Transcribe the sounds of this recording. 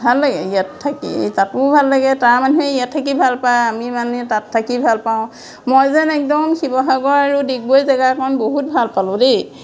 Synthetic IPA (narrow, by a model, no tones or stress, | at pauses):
bʱalːaɡɛijatʰːakḭtatʊbʱalːaɡɛtaɹmanuɹɛijatʰːakibʱalpajamimanɛtatʰːakibʱalpaʊ̃ | mojzɛnɛk̚dɔmxibɔɦaɡɔɹaɹudik̚bojzaɡakɔɔnboɦut̚bʱalpalʊ̃de